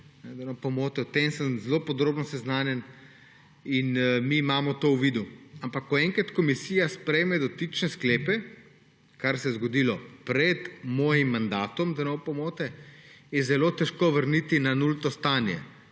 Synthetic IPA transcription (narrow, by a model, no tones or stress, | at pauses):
nɛd̪ɛnopɔmoːt̪ɛwt̪emsəmzlopɔd̪ɾoːbnɔsɛznaːnjɛn | inmiːmaːmɔt̪owʋiːd̪uampakːɔɛŋkɾat̪kɔmisiːjaspɾɛjmɛd̪ɔt̪it͡ʃnɛskleːpɛ | kaɾsɛjɛzɡɔd̪ilɔpɾɛd̪mɔːjimːand̪aːt̪ɔmd̪ɛnɔwpɔmoːt̪ɛjɛzɛloːt̪ɛʃkoːʋəɾnit̪inanult̪ɔst̪aːnjɛ̰